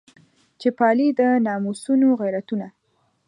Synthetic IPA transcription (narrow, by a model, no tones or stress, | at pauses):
t͡ʃepɑlid̪ənɑmusunoɣajɾat̪una